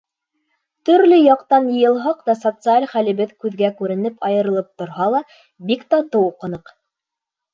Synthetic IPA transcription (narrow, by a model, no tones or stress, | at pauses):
t̪ɵ̆ɾlɘjɑqt̪ɑnjɤ̆jɤ̆lˠɦɑqt̪ɑsot̪sɨalʲχælɘ̆βɘðkʉðɡækʉɾɘ̆nɘpʰɑjɤ̆ɾɤ̆lˠɤp̚t̪ŏɾɦɑlˠɑ | bikt̪ɑt̪ɤwuqɤ̆nɤq